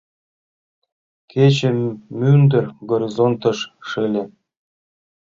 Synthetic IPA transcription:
kʰʲet͡ɕĕmynd̪ɘ̆rʲɡoɾʲizont̪ɤ̆ʃʂɘlʲĕ

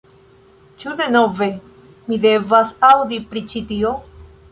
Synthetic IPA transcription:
t͡ʃud̪e̞no̞ve̞ | mide̞vasawd̪ipɾit͡ʃit̪io̞

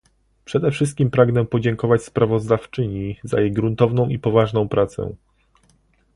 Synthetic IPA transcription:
pʂɛd̪ɛfʂɘst̪̚kʲimpɾaɡnɛpɔd͡ʑɛŋkɔvat͡ɕspɾavɔzd̪aft͡ʂɘɲiza̰jejɡɾunt̪ɔvnɔ̃w̃ipɔvaʐnɔ̃w̃pɾʔat̪sɛ̰̃

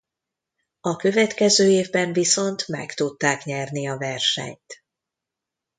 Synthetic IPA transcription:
ɒkø̞vɛt̪kɛzøːeːvbɛɱviso̞nt̪mɛ̰kt̪ut̪ːaːkɲɛrniɒvɛrʃɛ̰ɲt̪

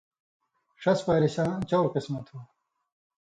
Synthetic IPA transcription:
ʂɐspaːɾiɕãːt͡ɕɐwɾqɪsmɐt̪hu

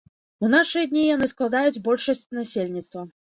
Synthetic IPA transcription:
unaʂɨjɐd̪ʲnʲijanɨsklˠad̪ajud͡zʲbɔlʲʂɐsʲt͡sʲnasʲelʲnʲit̪st̪vɐ

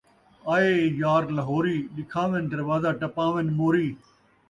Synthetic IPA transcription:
aːeːjaːɾlɐɦoːɾiːɗɪkʰaːʋend̪ɐɾʋaːzaːʈɐpãːʋenmoːɾiː

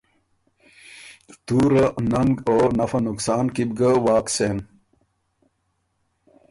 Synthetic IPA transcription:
t̪uːɾənɐŋɡoːnɐfɐnuksaːnkibɡəwaːkseːm

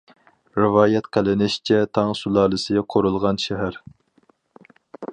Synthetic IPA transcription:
ɾɨvɑːjɛt̪qʰælɪnɪʃt͡ʃʰɛt̪ʰɑŋsulˠɑːlˠɨsɨɡʲɛqʰoɾulˠʁɑnʃɛɦæɾ

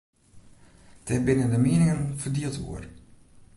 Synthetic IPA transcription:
d̥ɛbɪnəndəmiənɪŋənfərdiəlˠtʋṵər

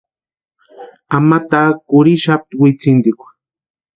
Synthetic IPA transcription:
amat̪akʊɾɪʃap̚t̪wɪt͡sɪnd̪ɪkʊ̥

